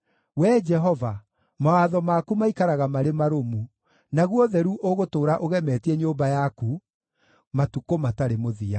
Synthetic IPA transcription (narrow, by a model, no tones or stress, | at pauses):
wɛːd͡ʒɛɦɔva | mawaðɔmaːkumaikaɾaɣamaɾemaɾomu | naɣwɔðɛɾuʔoɣotoːɾaʔoɣɛmɛːtiɛɲoːmbajaku | matukomataɾemoðia